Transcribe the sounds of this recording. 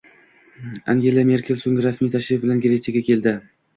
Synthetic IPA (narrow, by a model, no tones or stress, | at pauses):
a̰ŋɡʲe̞lˠame̞ɾkʲʰe̞lsoŋɡʲɪɾasmijt̪ʰaʃɾɪfbɪlanɡʲeɾet͡ʃʰeɡʲakʲʰe̞ld̪ɪ